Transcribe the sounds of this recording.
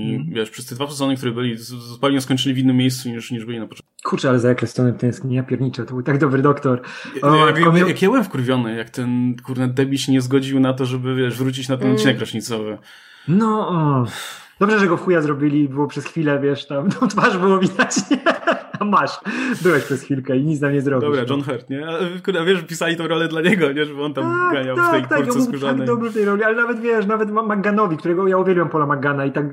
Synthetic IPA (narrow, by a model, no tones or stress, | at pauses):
ivʲjɛʂpʂɛst̪ɛd̪vapʂɛzɔnəkt̪uɾɨbɘlʲiɔspalʲiɲɔ̃skɔɲt͡ʂɘlʲivinːɘmʲːjejst̪suɲiʂɲiʐbɘlʲinapɔtɔ̃nkukʰuɾt͡ʂɛalɛzajakɾɛst̪ɔnɛmt̪ɛj̃skɲɲapʲjɛɾɲit͡ʂɛt̪ɔbɨwt̪aɡd̪ɔbɾɘd̪ɔkt̪ɔɾɔjakjakjabɘwɛmfkuɾvʲjɔnɘjakt̪ɛnkuɾnɛd̪̚d̪ɛbʲiɕɲɛzɡɔd͡ʑiwnat̪ɔʐɛbɘvʲjɛʂvɾut͡ɕit͡ɕnat̪ɛnɔt̪̚t͡ɕinɛkɾɔʂɲit̪sɔvɘ | nɔ | d̪ɔbʐɛʐɛɡɔfujazɾɔbʲilʲibɘwɔpʂɛsxfʲilɛvʲjɛʂt̪amt̪ɔ̃wt̪faʐbɘwɔvʲid̪at͡ɕɲɛɛamaʂbɘwɛɕpʂɛsxʲfʲilkɛiɲit̪namɲɛzɾɔbd̪ibɾad͡ʒɔnxɛɾt̪ɲɛalɛkuɾavʲjɛʂpʲisalʲit̪ɔ̃w̃ɾɔlɛd̪laɲɛɡɔɲɛʐɛbɔnt̪at̪akaɲat̪akt̪aukɾɔbkutaɡ̪ɔbʐɨft̪ɛjɾɔlʲialɛnavɛt̪vʲjɛʂnavɛt̪mamaɡanɔvʲikt̪uɾɛɡɔjauvʲjɛlʲiwɛmpɔlamaɡanait̪ak